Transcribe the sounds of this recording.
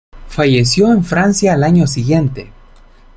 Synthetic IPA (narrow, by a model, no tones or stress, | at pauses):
faʝesjo̞eɱfɾansjaːlaɲo̞siɣje̞nt̪e̞